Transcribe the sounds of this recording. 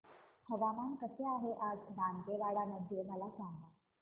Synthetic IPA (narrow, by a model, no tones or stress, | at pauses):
həbamankəseaɦeʔad͡zbaŋɡeʋaɽanəd̪ʱiɾməlasaŋɡla